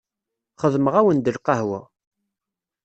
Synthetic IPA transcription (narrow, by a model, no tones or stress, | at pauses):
χəðməʁæwənd̪əlqɑhwæ